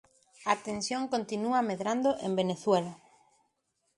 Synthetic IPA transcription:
at̪ẽnsjõŋkont̪inuameðɾand̪oʔẽmbeneθwela

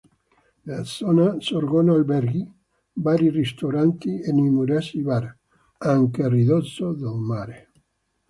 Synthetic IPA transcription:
lasɔnasoɾɡɔnalbɛɾɡi | baɾirist̪oɾant̪ienimuɾasiβaɾ | aŋkeriðɔsoðolmaɾe

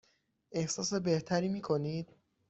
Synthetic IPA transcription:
ʔe̞hsɒːse̞be̞ht̪ʰæɾiːmiːkʰo̞niːd̪̥̚

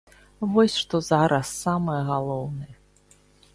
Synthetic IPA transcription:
vɔsʲʂt̪ɔzaɾʔɐsːamɨjɛɣalˠɔwnɨjɛ

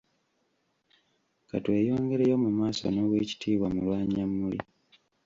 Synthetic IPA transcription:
katwe̞ːjo̞ːŋɡe̞ɾejo̞mumaːso̰no̞βwe̞ːci̥tʰiːβwamulwaːɲamːulḭ

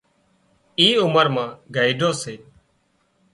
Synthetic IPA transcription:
iːʊməɾmãːɡʱaːiːɖʱoːseː

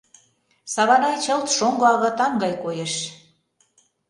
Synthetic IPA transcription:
sɑβɑnɑjt͡ɕɤlt̪ʃoŋɡoɑɣɤ̆t̪ɑŋɡɑjkojeʃ

